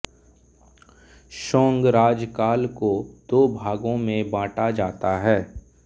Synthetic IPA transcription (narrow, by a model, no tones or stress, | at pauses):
ʃõːŋɡɾaːd͡ʒkaːlkod̪̥oːbʱaːɡõmẽbãːʈad͡ʒaːt̪aɦɛː